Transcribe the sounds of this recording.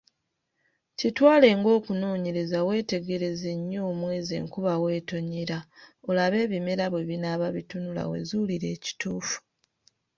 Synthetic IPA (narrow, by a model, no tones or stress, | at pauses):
citwaːle̞ŋɡo̞ːkuno̞ːɲeɾe̞zawe̞ːte̞ɡe̞ɾe̞ze̞ɲːo̞ːmwe̞ːze̞̰ːŋkuβawe̞ːto̞ɲiɾao̞laβe̞ːβime̞ɾaβwe̞βinaβaβitunula̰we̞̰zuliɾe̞̰ːci̥tuːfu̥